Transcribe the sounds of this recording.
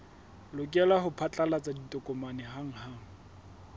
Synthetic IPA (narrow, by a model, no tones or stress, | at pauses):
lʊkʼɛlaɦʊpʰat͡ɬʼalat͡sʼaditʼɔkʼʊmanɛɦaŋ̩haːŋ̩